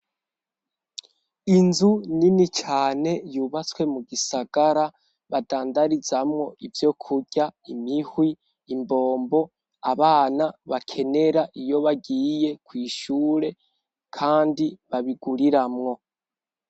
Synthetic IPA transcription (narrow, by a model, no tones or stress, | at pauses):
inzuninit͡ʃaːne̞juːβat͡swe̞muɡisaɡ̥aɾa | βadaːndaɾizamŋo̞ʔivjo̞kʰuɟ̥aimihwiː | mbo̞ːmbo̞ | aβaːnaβakʰe̞ne̞ɾaʔijo̞βaɡiːje̞kwiːʃuːɾe̞ | kʰaːndiβaβiɡuɾiɾamŋo̞